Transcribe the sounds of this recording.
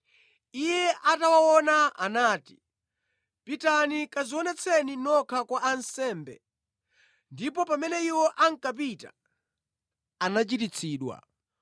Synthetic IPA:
ijɛʔatawawɔnaa̰naːti̥ | pitanikaziwɔnɛt͡sʰɛninɔkʰakwaʔansɛːmbɛ̰ | ndipɔpamɛnɛiwɔʔaŋ̩kap̬ita̰ | anat͡ʃitit͡sʰiːɗwa̰

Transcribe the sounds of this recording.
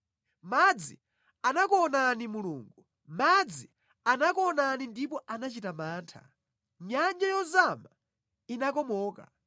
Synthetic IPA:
mad͡zi | anakɔnanimuluːŋɡu | mad͡zi | anakɔnanindipɔʔanat͡ʃitamaːntʰḁ̰ | ɲaɲd͡ʒajɔzama | inakɔmɔːka̰

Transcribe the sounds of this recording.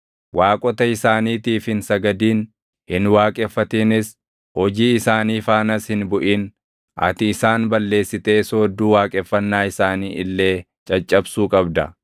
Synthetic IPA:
waːkʼɔt̪ɐɪsaːniːt̪iːfhɪnsɐɡɐd̪iːn | hɪnwaːkʼɛfːɐt̪iːnɪs | hɔd͡ʒiːɪsaːniːfaːnɐshɪnbʊʔiːn | ɐ̰t̪ɪːsaːnbɐlːe̞ːsːɪt̪e̞ːsoːd̪ːuːwaːkʼɛfːɐnːaːɪsaːniːɪlːe̞ː | t͡ʃʼɐt͡ʃʼːɐbsuːkʼɐbd̪ɐ̰

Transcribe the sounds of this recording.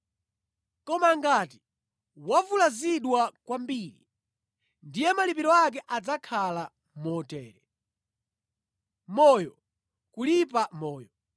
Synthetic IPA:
kɔmaŋɡati̥ | wavulaziɗwakwambiɾi | ndijɛmalip̬iɾɔak̬ɛʔad͡zakʰala | mɔtɛːɾɛ | mɔjɔ | kulip̬amɔːjɔ

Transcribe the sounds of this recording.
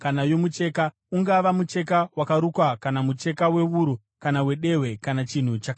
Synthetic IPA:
kanajo̞mut͡ʃe̞ːka | uŋɡaʋamut͡ʃe̞k̬awakaɾukwakanamut͡ʃe̞kawe̞ʋuɾu | kanawe̞ɗe̞we̞kanat͡ʃin̤ut͡ʃakː

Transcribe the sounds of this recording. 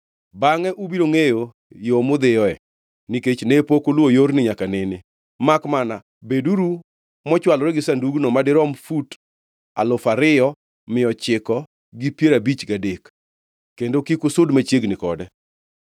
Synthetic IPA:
baŋɛʔubiɾoŋejo | jomʊd̪ɪjɔɛ | niket͡ʃnepokolwojoɾnɪɲakanɪnɪ | makmana | beduɾu | mɔt͡ʃwalɔɾɛɡɪsanduɡnɔmadɪɾɔmfut | a̰lʊfaɾɪjɔ | mɪɔt͡ʃɪkɔ | ɡɪpjeɾabit͡ʃɡadekː | endokikʊsʊdmat͡ʃjeɡnɪkɔdɛ

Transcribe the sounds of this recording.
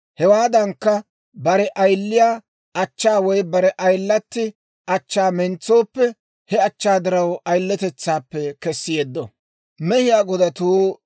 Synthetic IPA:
hɛwaːd̪ɐŋkːɐ | bɐɾɛʔɐjlːɪjaː | ɐt͡ʃːaːwɔjbɐɾɛʔɐjlːɐt̪ːɪ | ʔɐt͡ʃːaːmɛnt͡sːo̞ːpːɛ | hɛɐt͡ʃːaːd̪ɪɾɐwɐjlːɛt̪ɛt͡sːaːpːɛkɛsːɪjeːd̪ːɔ | mɛhɪjaːɡɔd̪ɐt̪uː

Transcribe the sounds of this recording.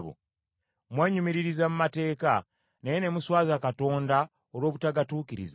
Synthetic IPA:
βṵ | mweːɲumiɾiɾizamumate̞ːka | najene̞muswaːzakato̞ːnda | olwo̞ːβutaɡatuːkiɾḭza

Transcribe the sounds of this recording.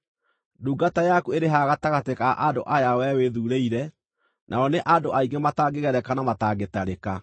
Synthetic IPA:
duːɡatajakueɾeɦaɣataɣatekaʔandoʔajawɛweðuɾeiɾɛ | nʔaɔneʔandoʔaiŋɡemataːɡeɣɛɾɛkanamataːɡetaɾeka

